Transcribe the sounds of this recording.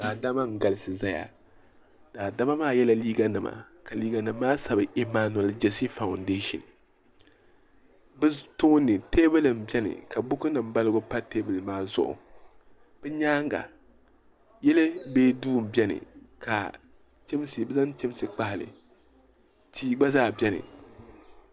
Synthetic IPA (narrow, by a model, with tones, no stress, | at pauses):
d̥aː˨da˦ma˦ŋ̩˦ɡa˨lɨ˦sɨ˨za˦ja̰˨ | d̥aː˨da˦ma˦maː˦˨jɛ˦la˦liː˦ɡa˦nɨ˨ma̰˨ | ka˨liː˦ɡa˨nɨ˨mː˦aː˦sa˨bɨ˨ʔi˨ma˦n˨ɛ˨ld͡ʒɛ˦si˦fa˨ʊ˨ndeː˦ʃɪ̰˨n | bɛ˦to˦nɨ˨teː˦bɨ˦lɨ˨m̩˨bɛ˦nɨ̰˨ka˨bʊ˦kɨ˦nɨ˨mba˦lɨ˦ɡʊ˦pa˦te˦bɨ˨lmaː˦zʊ̰˦ʔʊ̰˨ | b̥ɛ˦ɲaː˦ŋɡa̰˨ | jɛ˦lɨ˦beː˦duː˦˨m̩˨bʲɛ˦nɨ̰˨ka̰˨ | t͡ʃɪ˦m˦sɨ˨bɛ˦za˦nt͡ʃɪ˦m˦sɨ˨k͡pa˦hɪ˨lɨ̰˨ | tʰiː˦ɡ͡ba˦zaː˦˨bɛ˦nɨ̰˨